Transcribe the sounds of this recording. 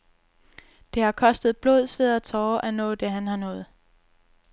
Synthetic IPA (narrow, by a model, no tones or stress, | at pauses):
d̥e̝hɑ̈kʰɒ̽sd̥ð̞̩ˠb̥lo̝ð̞ˠsʋe̝ðˠɐt͡sʰɒːʔænɔ̰ːd̥e̝ɦænhɑ̈nɔ̰̽ːð̩ˠ